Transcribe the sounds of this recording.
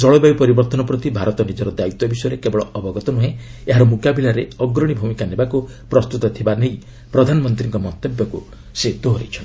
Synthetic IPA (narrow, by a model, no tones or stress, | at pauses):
d͡ʒɔɭɔbajpɔɾibɔɾt̪ɔnɔpɾɔt̪ibʱaɾɔt̪ɔnid͡ʒɔɾɔd̪ait̪ːɔbisɔjɔɾekebɔɭɔɔbɔɡɔt̪ɔnuɦẽeɦaɾɔmukabilaɾeɔɡɾɔɽ̃ibʱumikanebaku | pɾɔst̪ut̪ɔt̪ʰibanej | pɾɔd̪ʱanɔmɔnt̪ɾiŋkɔmɔnt̪ebjɔku | set̪uɦɾet͡ʃʰɔn